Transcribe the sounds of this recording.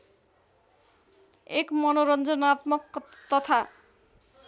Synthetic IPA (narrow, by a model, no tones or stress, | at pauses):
ekmɔnoɾɔnd͡ʑonat̪mokt̪ɔt̪ʰa